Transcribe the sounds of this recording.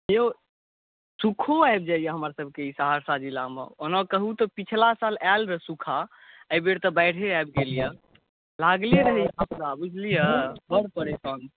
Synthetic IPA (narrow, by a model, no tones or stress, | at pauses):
jo | sukʰoaeb̚d͡ʒaijəɦəmɾasəb̚ʱkeisaɦaɾsad͡ʒilamḛonɔkəɦut̪ɔpit͡ʃʰlasalalɾəsukʰa | əjbeɽt̪ɔbaɪɽ̤ʰeajbɡelijə | laɡlieɾəɦijapɾabud͡ʒʱlijəbəɽpəɾesɔn